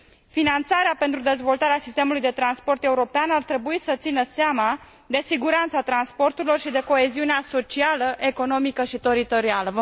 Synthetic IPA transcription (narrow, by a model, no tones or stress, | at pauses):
finant̪saɾeape̞nt̪ɾud̪e̞zvo̞lt̪aɾeasist̪emulujd̪e̞t̪ɾanspo̞rt̪e̞uɾo̞peanart̪ɾe̞buisət̪sinəseama | d̪e̞siɡuɾant̪sat̪ɾanspo̞rt̪uɾilo̞rʃid̪e̞ko̞e̞ziuneaso̞t͡ʃialəʔe̞ko̞no̞mikəʃit̪e̞ɾit̪o̞ɾialə